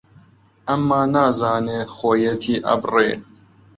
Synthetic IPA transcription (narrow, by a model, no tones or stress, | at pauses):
ʔɐmːaːnaːzaːneːxoːjɛt̪ʰiːʔɐ̰brḛː